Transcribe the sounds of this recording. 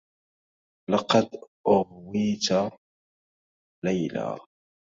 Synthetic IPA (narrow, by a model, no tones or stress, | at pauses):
lɑqɑd̪ʔʊhwiːt̪a | lajla̰ː